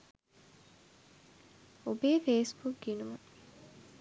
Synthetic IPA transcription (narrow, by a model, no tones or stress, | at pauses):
obeːfeːsbukɡinumu